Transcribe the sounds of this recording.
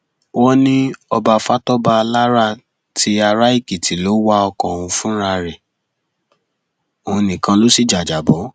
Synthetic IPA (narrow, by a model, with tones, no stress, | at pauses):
wɔ˦nĩ˦ɔ˧ba˧fa˦tɔ˦ba˧la˦ɾa˦˨ | tʰi˧a˧ɾa˦i˦˨ki˨tʰi˨lo˨˦wa˦ɔ˧kɔ̃˨ũ˧fũ˦ɾa˧ɾɛ˨ | õ˧nĩ˨kã˧lo˦si˦˨d͡ʒa˨d͡ʒa˨bɔ˨˦